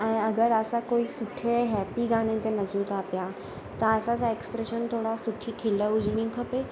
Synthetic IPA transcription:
ə̃ĩəɡəɾəsakoisuʈʰeɦɛpiɡaɽ̃ẽt̪enəd͡ʑuːt̪apja | t̪əəsat͡ɕaeksə̥pɾeʃənt̪ʰoɽasuʈʰiːkʰelːəud͡ʑɽĩkʰəpe

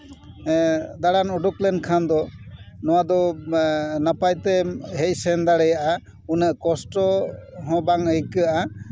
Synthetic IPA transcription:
d̪aɽanɔɖuklɛnkʰand̪ɔnɔwad̪ɔ | napajt̪ɛɦɛc̚sɛnd̪aɽɛjaʔa | unəʔkɔsʈɔɦɔ̃baŋəikɯaʔa

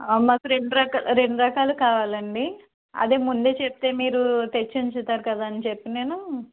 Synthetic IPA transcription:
maːkuɾe̞ɳɖuɾɐkalɾe̞ɳɖuɾɐkaːlukaːʋaːlɐɳɖi | ɐ̰d̪e̞ːmund̪e̞ːt͡ʃep̚t̪e̞ːmiːɾut̪et͡ʃːiɲt͡ʃut̪aːɾukɐd̪aːɐnit͡ʃepːine̞ːnu

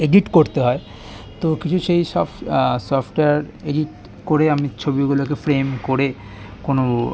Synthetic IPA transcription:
eɖiʈkoɾt̪eɦɔe | t̪okit͡ɕʰuʃejʃɔfsɔfʈeaɾeɖiʈ | koɾeamit͡ɕʰobiɡulokefɾemkoɾe | kono

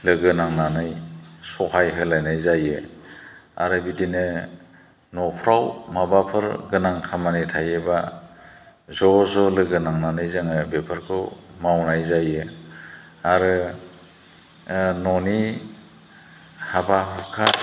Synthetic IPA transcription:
lɯɡɯnaŋnanɯjsɔhajɦɯlajnajzajɯ | a̰ɾɯbidinɯ | nɔpʰɾawmabapʰɯɾɡɯnaŋkʰamanitʰajeba | zɔzɔlɯɡɯnaŋnanɯjzaŋɯbepʰɯɾkʰɯwmawnajzajɯ | aɾɯ | nɔni | habaɦɯkʰa

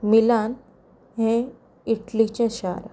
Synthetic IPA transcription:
milan | ɦɛ̃ | iʈlit͡ɕẽɕa̰ɾa̰

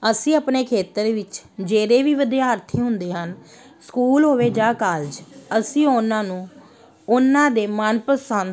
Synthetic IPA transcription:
əsĩːəpneːkʰeːt̪əɾʋɪt͡ʃd͡ʒeːɾeːʋiːʋəd̪ijaːəɾt̪ʰiːɦʊnd̪eːɦən | skuːlɦoːʋeːd͡ʒaːkaːld͡ʒəsĩːʊnãːnũː | ʊnãːd̪eːmənpəsan

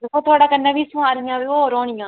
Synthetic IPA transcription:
d̪eːkʰõːt̪ʰʊaːɽaːkənːãːʋiːsʊaːɾɪjãːʋiːoːɾɔːɳ̃ɪjãː

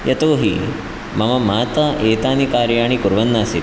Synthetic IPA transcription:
jɐt̪oːɦḭ | mɐmɐmaːt̪ɐeːt̪aːnikaːɾjaːɳikuɾʋɐnːaːsi

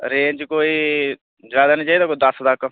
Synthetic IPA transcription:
ɾeːd͡ʒkoːiː | zaːd̪aːniːt͡ʃaːid̪aːkoːiːd̪əst̪ək

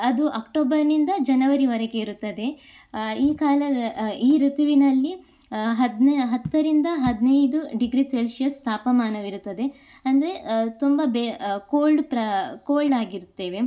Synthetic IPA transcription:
ɐd̪uʔɐːkʈoːbɐɾnind̪ɐd͡ʒɐnɐʋɐɾiʋɐɾɛɡe̞iɾut̪ːɐd̪e̞ | iːkaːlɐd̪ɐiːɾut̪uʋinɐlːi | ɦɐd̪nɦɐt̪ːɐɾind̪ɐɦɐd̪inɐjd̪uɖiɡɾiselsijɐst̪ʰaːpɐmaːnɐʋiɾut̪ːɐd̪e̞ | ɐnd̪ɐɾe̞t̪umbɐbekoːlɖpɾɐkoːlɖaːɡiɾut̪ːe̞ːʋe̞

